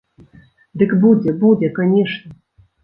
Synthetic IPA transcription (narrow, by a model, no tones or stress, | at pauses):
d̪ɨkbud͡zʲɛbud͡zʲɛkanʲɛʂnʲɐ